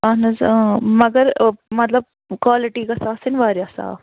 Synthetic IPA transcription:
ɐnɐzmɐɡɐɾmɐt̪lɐb̚ | kaːlɪʈiːkɐsaːsinʋaːɾjasa̰ː

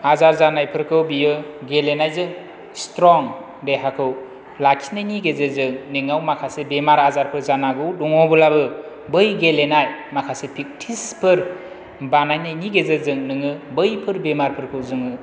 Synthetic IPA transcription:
azaɾzanajpʰɯɾkʰɯwbijɯɡelenajzɯŋ | stɾɔŋ | deɦakʰɯw | lakʰi̥najniɡezezɯŋniŋawmakʰasebemaɾazaɾpʰɯɾzanaɡɯwduŋɔbɯlabɯ | bɯjɡelenajmakʰasepʰik̚tʰispʰɯɾ | banajnajniɡezɯzɯŋnɯŋɯbɯjpʰɯɾbemaɾpʰɯɾkʰɯwzɯŋɯ

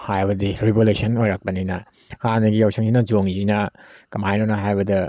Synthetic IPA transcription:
hajbɐdiɾibolesɐnojɾak̚pɐninɐ | hanɐɡijawsʰiŋzinɐd͡ʒoŋzinɐkɐmajnonɐɦajbɐdɐ

